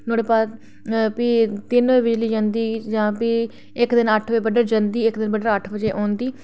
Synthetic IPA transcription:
noːɽeːpaː | pit̪ɪnʋeːbɪd͡ʒliːd͡ʒãːnd̪iːd͡ʒãːpi | ɪkd̪ɪnəʈʰʋbəɖəɾd͡ʒənd̪iːɪkd̪ɪnbəɖəɾəʈʰbəd͡ʒeːʔɔ̃ːnd̪iː

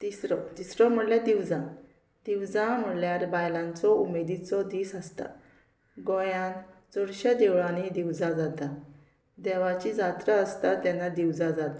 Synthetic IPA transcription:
t̪isɾɔt̪isɾɔm̤əɽljad̪iwd͡zã | d̪̥iwd͡zãm̤əɽljaɾbajlãnt͡sɔumed̪it͡sɔd̪iːsəst̪a̰ | ɡɔjãnd͡zɔɽɕad̪ewɭanid̪iwd͡zãd͡zat̪a | d̪ɛʋat͡ɕid͡zat̪ɾaəst̪at̪anːad̪iwd͡zad͡zat̪a

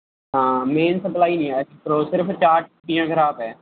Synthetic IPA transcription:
ɦãːmeːnsəplaːinĩːaːpɾoːsɪɾpʰt͡ʃaːɾʈ̚ʈijãːɡʱəɾaːpɛː

